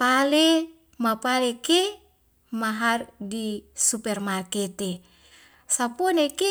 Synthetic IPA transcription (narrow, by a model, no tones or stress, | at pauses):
pale | mapaleke | maɦardisupɛrmarket̪e | sapɔneke